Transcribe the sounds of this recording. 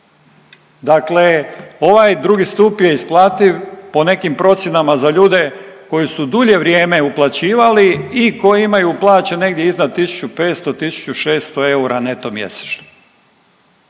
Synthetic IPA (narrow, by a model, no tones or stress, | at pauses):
d̪akle̞o̞ʋajd̪ɾuːɡist̪uːpije̞isplˠaːt̪iʋpo̞ne̞kimpɾo̞t̪sʲjenamazaʎuːd̪e̞ko̞jisud̪uʎe̞ʋɾje̞ːme̞uplˠat͡ɕiːʋaliiko̞jiimajuplˠaːt͡ɕene̞ɡd̪jeiznad̪̚t̪isu̥t͡ɕupe̞ːt̪st̪o̞t̪isu̥t͡ɕuʃe̞ːst̪oe̞uɾane̞t̪omjḛse̥t͡ʃno̥